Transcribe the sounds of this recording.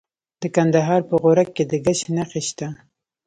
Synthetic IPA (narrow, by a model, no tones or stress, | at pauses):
d̪̥əkand̪aɦɑɾpəɣoɾakːed̪əɡaʃnaxeʃt̪a